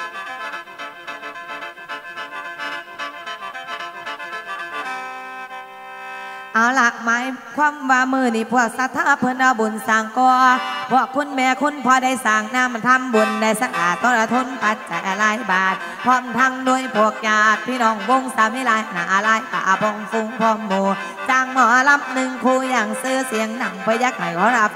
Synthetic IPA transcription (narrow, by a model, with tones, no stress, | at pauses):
ʔa˨˩wla˧˦ʔmaː˨˦jkʰwaː˧˥˨mwaː˧mɯː˧˩niː˧˩pʰu˧˩ək̚sa˧t̪ʰːaː˧˦pʰɤ˧˨nlaː˧˩bu˨nsaː˨˩ŋkɔː˧pʰu˧˩əkʰːu˧˥˨nmɛː˧kʰu˧˥˨npʰɔː˧da˧˩jsaː˨˩ŋnaː˧˨m˨t̪ʰa˧˥˨mbu˨˩nda˧˩jsa˧ʔaː˨˩t̪ːɔ˧˨nla˧t̪ʰo˧˥˨npa˨˧t̪̚t͡ɕa˨jʔa˧la˧˩jbaː˨˩t̪̚ | pʰɔː˧˥˨mt̪ʰa˧˩ŋnu˧˩ə˨jpʰo˨˩ək̚jaː˨˧˩t̪̚pʰːiː˧˨nɔː˧˩ŋwo˧˩ŋsaː˨˦mhi˧˨laː˧˩jnaː˨˧˦ʔa˧la˧˩jt̪a̰˨˧˨ʔa˧bɔː˧˩ŋfu˧ŋpʰɔː˧˩mːoː˧˩ | saː˧˩ŋmɔ˧˩ʔa˧la˧˨p̚nɯ˧ŋkʰuː˧jaː˧˩ŋsɯː˧si˨˦əŋna˨˩ŋpa˧˦jaː˧k̚ɦa˨˦jkʰɔː˧˦ɾa˧˩k̚